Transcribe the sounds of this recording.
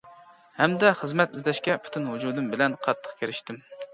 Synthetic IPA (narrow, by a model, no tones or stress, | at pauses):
hɛmd̪ɛχəzmɛt̪izlɛʃkʲɛpʰy̥t̪ʰynhud͡ʒuːd̪ɨmbɪlɛnqʰɑt̪ʰːə̥qkʲʰeɾɪʃt̪ɪm